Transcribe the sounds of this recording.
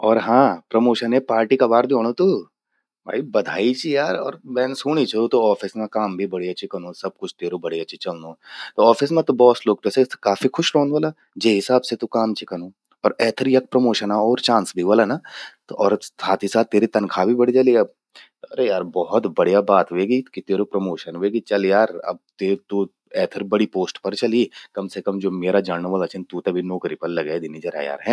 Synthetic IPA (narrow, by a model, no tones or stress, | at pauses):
ɔːɾɦãːpɾɐmoːʃənẽpaːɾʈikabaːɾd̪eoːɽ̃ot̪uː | bʱa̰ːibɐd̪ʱaːit͡ʃʰijaːɾɔːɾmɛ̃ːnsuːɽ̃it͡ʃʰeot̪oɔːfɪsmẽkaːmbʱibɐɽiɐːʃʰikɐñõːsɐb̚kʊt͡ʃʰt̪eːɾobɐɽiɐtːʃʰit͡ʃɐlnoːt̪oɔːfɪsmẽt̪ubɔːsloːk̚pɛːsekaːfixʊʃɾoːnʋaːla | d͡ʒeːɦɪsaːbset̪ukaːmt͡ʃʰikɐñoː | ɔːɾɛːt̪ʰəɾjɐk̚pɾɐmoːʃənaɔːɾt͡ʃãːnsbʱiʋoːlanat̪ɔːɾsaːt̪ʰisaːt̪ːeːɾit̪ɐnkʰabʱibɐɽid͡ʒaliɐb̚ | ɐɾejaːɾbɔɦʊt̪bɐɽ̤ijabaːt̪ʋeːɡikit̪eːɾopɾɐmoːʃənʋeːɡit͡ʃɐljaːɾɐ̰b̚t̪eːt̪u | ɛːt̪ʰəɾbɐɽipoːsʈpɐɾt͡ʃɐlikɐmsekɐmd͡ʒoːmeːɾad͡ʒaɽnʋɐːlat͡ʃʰɐnt̪ut̪ɐbʱinɔːkɾipɐɾlɐɡed̪ɪnid͡ʒɐɾa̰ja̰ːɾɦɛ̃ː